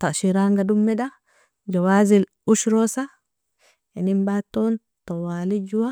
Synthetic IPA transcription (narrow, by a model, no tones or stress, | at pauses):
t̪aʃiɾaŋɡadumːɛda | d͡ʒawaːzil | uʃɾosa | janimbat̪ːon | t̪owaːlid͡ʒuwa